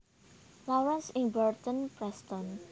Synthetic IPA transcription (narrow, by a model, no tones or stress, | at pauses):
lɔɾansɪŋbərt̪ənpɾɛst̪ɔn